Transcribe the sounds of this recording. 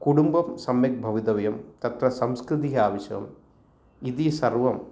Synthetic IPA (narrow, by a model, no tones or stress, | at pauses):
kuɽumbɐmsɐmjɐk̚bʱɐʋid̪ɐʋɐjɐmt̪ɐt̪ɾɐsɐmskɾɪd̪iɦɐaːʋɐʃɐɐ̰m | iðisɐrʋɐm